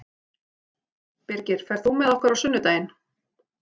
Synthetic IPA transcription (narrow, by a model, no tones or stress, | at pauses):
pɪɾcɪɾ̥fɛɾ̥θumɛðɔhkaɾawsʏnːʏt̪aːjɪn